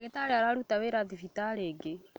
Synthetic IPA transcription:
kɛt̪aɺɛaɾaɺut̪aβɛɾad̪ivit̪aɺɛɡɛ

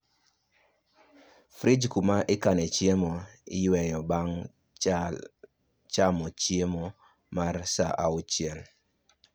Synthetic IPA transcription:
fɾid͡ʒkumaʔɪkanɛt͡ʃjemoɪ̰jwɛjɔbaŋ | t͡ʃamɔt͡ʃjemɔ | marsaʔaʊt͡ʃjɛl

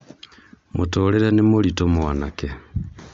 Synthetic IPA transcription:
mutoːleɾanimulitomwwanake

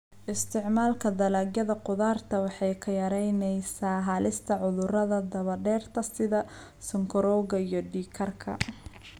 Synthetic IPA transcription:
ʔɪst̪ʰɪʕmaːlkʰɐd̪ɐlaːɡjɐðɐqʊðaːrt̪ʰɐwɑħɑjkʰɐjɐɾɛjnɛjsaːɦaːlɪst̪ʰɐʕʊðʊɾɐðɐd̪ɐβɐɖɛːrt̪ʰɐsɪðɐ | sɪŋkʰɔɾɔːɣɐijɞɖiːkʰɐrkʰɐ̰

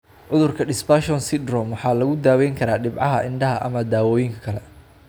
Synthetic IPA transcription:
ʕʊðʊrkʰɐɖɪsbaʃɔnsɪd̪rɔmwɑħɑːlɐɣʊd̪aːwɛjŋkʰɐɾaːɖɪbʕɑɦɐʔɪɳɖɐɦɐʔɐ̰mɐd̪aːwɔːjɪŋkʰɐ̥kʰɐlɛ

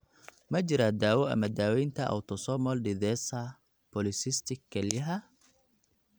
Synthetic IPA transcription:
mɐd͡ʒɪɾad̪aːwɔɐ̰mɐd̪aːwɛjnt̪ʰɐʔɐ̰wt̪ʰɔsɔmɔlɖɪðɛsɐ | pɔlɪsɪst̪ɪkʰːɛlɐɦɐ

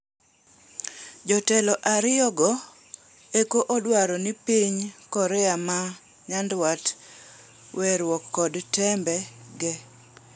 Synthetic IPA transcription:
d͡ʒɔtɛlɔʔaɾɪɔɡɔ | ekoʔodwaɾɔnipiɲkɔɾɛama | ɲandwat | wʔɛɾwɔkːɔdtɛmbɛɡɛ

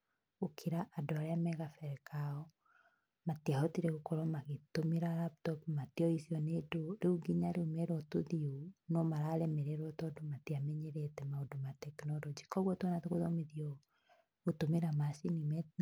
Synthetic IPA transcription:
okʰiɾaʔadoaɾɛamɛɣafɛɾɛkaɔ | matiaɔtiɾɛɣokɔɾɔmaɣetomeɾaɾaptɔpmatiɔisiɔnedoɾeuɡiɲaɾeomɛɾɔtoðionɔmaɾaɾɛmeɾeɾwɔtɔdomatiamɛɲeɾetɛmaodomatɛknɔɾɔd͡ʒikɔɣwɔtwɔnatoɣoðɔmeðiɔ | otomeɾamasinimɛ

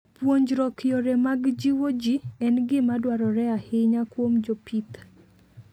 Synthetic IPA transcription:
pwoɲd͡ʒɾɔkjɔɾɛmaɡd͡ʒiwod͡ʒiɛnɡɪmadwaɾɔɾɛahɪɲakwomd͡ʒopit̪

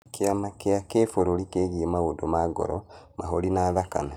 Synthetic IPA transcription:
kiamakeakefoɾolikeɣiemawodomaɡo̰ɾomaɦolinaːðaka̰na

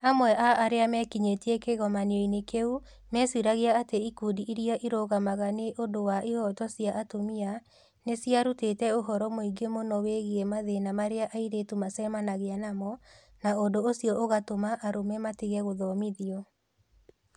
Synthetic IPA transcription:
amwɛʔaʔaɾeamɛkiɲetiɛkeɣɔmaneɔinekeu | mɛswiɾaɣeaateikudiʔiɾiaʔiɾoɣamaɣaneʔondowaʔihɔtɔsjaʔatomia | nesjaɾutetɛoɦɔɾɔmoiɡemonɔweɣiemaðenamaɾeaʔaiɾetumasɛmanaɣeanamɔ | naondoosjɔʔoɣatomaʔaɾomɛmatiɣɛɣoðɔmiðiɔ

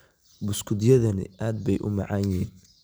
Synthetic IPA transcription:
bʊskʰʊd̪jɐðɐnɪ̰aːd̪̚bɛjʔʊ̰mɑʕɑːnhiːn

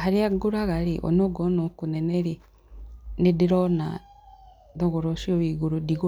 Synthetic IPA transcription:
haɾiaɡuɾaɣaɾiʔo̰noɡonokuneneɾi | nidiɾona | doɣoɾoʃioβiɡuɾudiɣu

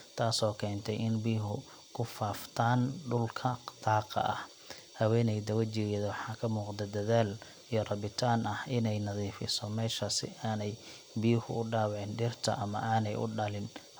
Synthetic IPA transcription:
t̪ʰaːsɔːkʰɛːnt̪ʰɛjɪnbiːɦʊ | kʰʊfaːft̪ʰaːnɖʊlkʰɐd̪̥ʰɑːqɑ̰ʔɐ̰h | hɐwɛːnɛjd̪ɐwɐt͡ʃɪɣɛðɐwħɑːkʰɐmuːqd̪ɐd̪ɐðaːl | ijɞrɑβɪt̪ʰaːnɐhɪnɛjnɐðiːfɪ̰sɔmɛːʃɐsɪ̰ʔaːnɛj | bijhʊʔʊɖaːwʕɪnɖɪrt̪ʰɐ̰ʔɐmɐ̰ʔaːnɛjʔʊ̰ɖɐlɪn

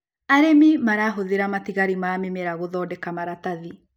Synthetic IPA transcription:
aɾemimaɾaɦoðeɾamatiɣaɾimamemeɾaɣoðɔdɛkamaɾataði

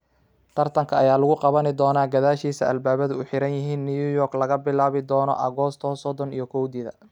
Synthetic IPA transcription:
t̪ʰɐrt̪ʰɐŋkʰɐɐjaːlʊɣʊqɑβɐnɪd̪ɔːnaːɡɐðaːʃiːsɐɐlbaːβɐðʊʊħɪɾɐnjɪɦiːnːijujɔrklɐɣɐbɪlaːβɪd̪ɔːnɔ̰ʔɐɣɔst̪ʰɔsɔd̪ɔnḭjɔkʰɔwd̪ɪðɐ̰

